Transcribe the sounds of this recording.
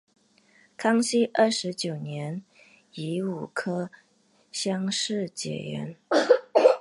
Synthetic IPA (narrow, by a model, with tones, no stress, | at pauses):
kʰɑ˥ŋɕi˥ʔə˞˥˩ʂɻ̩˧˥t͡ɕjo˨˩ʊnjɛ˧˥n | i˧˥u˨˩kʰɤ˥ | ɕjɑ˥ŋʂɻ̩˥˩t͡ɕjɛ̰˨˩ɥɛ̰˧˥n